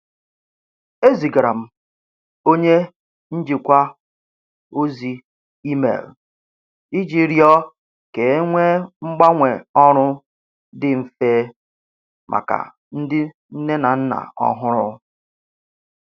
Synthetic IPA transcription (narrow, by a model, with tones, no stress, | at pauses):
e˦zi˨ɡɾa˨m̩˨ | o˦ɲe˦ | n̩˦d͡ʒɪ˨kʷa˦ | o˦zi˨ | i˦mḛ˨l | i˦d͡ʒi˦ɾjɔ˦ | ke˨˦ŋʷe˦ŋ͡m̩˦ɡ͡ba˦ŋʷe˨ɔ˦ɾʊ˦ | dɪ˦m̩˨feː˦ | mʔa̰˨ka̰˨ | n̩˦dɪ˦ | n̩˦ne˦na˨n̩˦na̰˨ɔ̰˦ɦʊ˦ɾʊ˦